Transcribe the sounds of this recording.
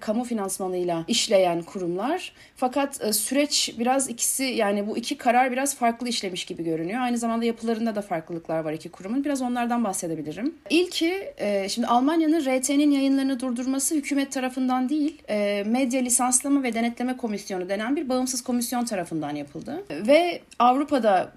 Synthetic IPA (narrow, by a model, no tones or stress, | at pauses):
kʰamufinansmanɯjlˠaiʃlʲe̞jænkʰuɾumlˠaɾ̥ | fakʰat̪ːsyɾɛt͡ʃbiɾazicʰi̥sijaːnibuicʰikʰaɾaɾbiɾaz̥faɾklˠɯiʃlʲe̞miʃɟibiɟø̞ɾynyjoajnɯzamand̪ajapʰɯlˠaɾɯnd̪ad̪afaɾklˠɯlˠɯklˠaɾvaɾicʰikʰuɾumunbiɾazo̞nlˠaɾd̪anbaxse̞d̪ebilʲiɾimilʲcʰiɛʃimd̪ialˠmanjanɯnɾet̪ʰeninjajɯnlˠaɾɯnad̪uɾd̪uɾmasɯhycʰyːmɛt̪ʰːaɾafɯnd̪and̪ijilʲːmɛd̪jalʲisanslˠamavɛd̪e̞nɛt̪lʲe̞mɛkʰo̞misjo̞nud̪e̞nænbiɾbaɯmsɯz̥kʰo̞misjo̞nt̪ʰaɾafɯnd̪anjapʰɯlˠd̪ɯvɛ | avɾupʰad̪a